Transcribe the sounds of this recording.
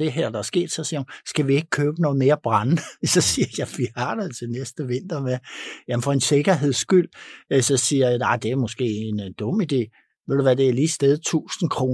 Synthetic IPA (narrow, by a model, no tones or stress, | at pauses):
e̝ɦæɐ̰d̥ɑ̈æsɡ̥e̝̰ːd̥sɒ̽siɐhunsɡ̥æʋie̝ɡ̥ə̥kʰøːb̥ənɔ̽ːð̩ˠme̝ːɐb̥ʁɑnəsɒ̽siɐjɑ̈ɪfiɑ̰̈ːd̥əð̩ˠt͡sʰe̝lnesd̥əʋe̝n̰d̥ɐmejæmn̩fɒ̽e̝nse̝ɡ̥ɐɦe̝ð̞̰ˠsɡ̥yl̰sɒ̽siːɐjɑ̈ɪd̥e̝æɐmɔ̽sɡ̥e̝̰ːend̥ɔ̽mid̥e̝̰ː | ʋeð̰ˠd̥uʋæd̥e̝æɐliːsd̥eð̞ˠt͡sʰṵːsn̩kʰʁo̝ː